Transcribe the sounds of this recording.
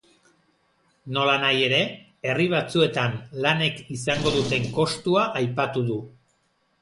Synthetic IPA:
no̞lanaje̞ɾe̞ | e̞riβ̞at͡sue̞t̪anlane̞kisaŋɡo̞ðut̪e̞ŋko̞st̪uaʔajpat̪uðu

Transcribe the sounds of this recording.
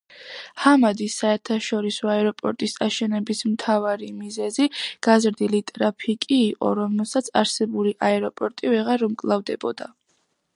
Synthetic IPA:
hamad̪isːaɛɾt̪ʰaʃɔɾisɔaɛɾɔpʼɔɾt̪ʼisaʃɛnɛbismt̪ʰavaɾimizɛziɡ̥azɾd̪ilit̪ʼɾapʰikʼiːqʼɔ̰ɾɔmɛlˠsat̪sʰaɾsɛbuliʔaɛɾɔpʼɔɾt̪ʼivɛʁaɾumkʼlˠavd̪ɛbɔd̪a̰

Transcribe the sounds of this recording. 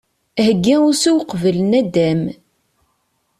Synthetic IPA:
həɡːiʊɾsuwqvəlnæd̪æm

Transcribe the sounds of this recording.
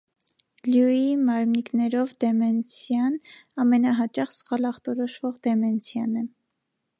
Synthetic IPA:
ljuimɑɾmniknɛɾɔvd̪ɛmɛnt͡sʰjɑnɑmɛnɑɦɑt͡ʃɑχsχɑlɑχt̪ɔɾɔʃvɔʁd̪ɛmɛnt͡sʰjɑnɛ

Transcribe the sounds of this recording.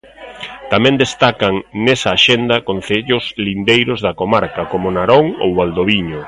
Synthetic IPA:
t̪amɛ̃nd̪est̪akɐŋnɛsɐːʃend̪ɐkon̟θeʎʊzlind̪ejɾʊzðɐkomaɾkɐkomʊnaɾoŋo̰wβald̪oβiɲo

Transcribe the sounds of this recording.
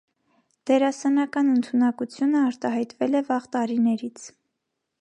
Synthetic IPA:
d̪̥ɛɾɑsɛnɑkɑnənt̪ʰunɑkut͡sʰjunəɑɾt̪ɑɦɑjt̪vɛlɛvɑʁt̪ɑɾinɛɾit͡sʰ

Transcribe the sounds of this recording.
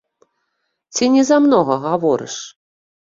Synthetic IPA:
t͡sʲinʲɛzamnɔɣɐɣavɔɾɨ̰ʂ

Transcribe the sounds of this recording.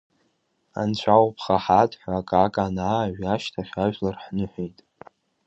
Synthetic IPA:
a̰nt͡ɕʷʰawpʰχaħadʰʼħʷᶣaaːkʼakʼanaːɥaʃtʰaχʲaʒᶣlarħnɨħʷᶣejtʼ

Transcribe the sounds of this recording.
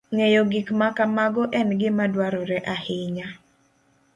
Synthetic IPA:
ŋejɔɡikmakamaɡɔʔɛnɡɪmadwaɾɔɾɛʔahɪɲa

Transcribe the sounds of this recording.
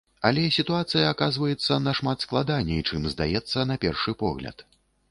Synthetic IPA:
ɐlʲɛsʲit̪uat̪sɨjɐːkazvɐjɛt̪sːɐnɐʂmat̪sklˠad̪anʲːɛit͡ʂɨmzd̪a̰jɛt̪sːɐnɐpʲɛrʂɨpɔɣlʲɐ̰t̪

